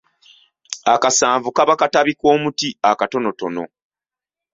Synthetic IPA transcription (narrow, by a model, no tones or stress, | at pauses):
akasaːɱvukaβakataβiko̞ːmutiakato̞no̞to̞no̞̰